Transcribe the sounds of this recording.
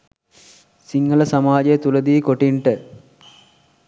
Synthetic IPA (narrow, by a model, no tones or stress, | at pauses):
siŋɡəlɐsɐmaːd͡ʒɐjət̪ulɐd̪iːkoʈiɳʈə